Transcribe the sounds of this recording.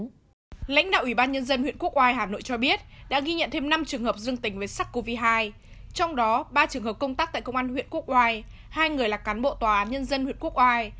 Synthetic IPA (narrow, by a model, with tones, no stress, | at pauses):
la̰˧˥jŋ̟ɗa̰ː˧˨wi˧˩ɓaː˧nɲə˧nzə˧nhw̰ənku˦˥ək̚ʔwaː˧jɦaː˨˩no̰˧˨jt͡ɕɔ˧ɓi˦˥ət̚ɗa̰ː˧˥ɣi˧ɲə̰˧˨nt̪ʰe˧mna˧mt͡ɕɨ˨˩əŋhəː˨˩p̚zɨ˧əŋt̪ï˨˦ŋvə˨˦jsaː˦˥k̚ko˧vi˧ɦaː˧j | t͡ɕɔ˧wŋ͡mɗɔ˨˦ɓaː˧t͡ɕɨ˨˩əŋhəː˨˩p̚kə˧wŋ͡mt̪aː˦˥k̚t̪aː˧˨kə˧wŋ͡mʔaː˧nhw̰ənku˦˥ək̚ʔwaː˧j | haː˧jŋɨ˨˩əjlaː˨˩kaː˨˦nɓo̰˧˨t̪waː˨˩ʔaː˨˦nɲə˧nzə˧nhwḭ˧˨ənku˦˥k̚ʔwaː˧j